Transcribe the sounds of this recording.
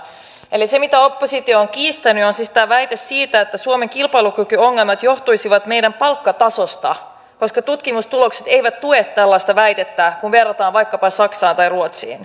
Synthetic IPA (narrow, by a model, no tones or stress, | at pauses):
elise̞mit̪æo̞pːo̞sit̪ioːŋk̟iːst̪ænyonsist̪æʋæjt̪esːiːt̪æet̪ːæsuome̞ŋkilpɑjlukykyo̞ŋːe̞lmɑt̪jo̞ht̪ujsiʋɑt̪me̞jdæmpɑlkːɑt̪ɑso̞st̪ɑ̰ | ko̞skɑt̪ut̪kimust̪ulo̞kse̞t̪e̞jʋæt̪t̪ːuet̪t̪ːælːɑjst̪ɑʋæjt̪e̞t̪ːækunʋe̞rːɑt̪ɑːnʋɑjkːɑpɑsɑksɑːnt̪ɑjruot̪sḭːn